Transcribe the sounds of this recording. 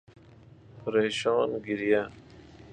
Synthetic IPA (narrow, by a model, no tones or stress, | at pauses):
pʰəɾeːɕɑːnɡiɾija